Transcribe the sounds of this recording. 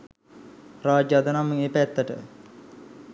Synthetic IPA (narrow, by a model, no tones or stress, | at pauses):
raːd͡ʒad̪ənamːəŋeːpæt̪ːəʈə̰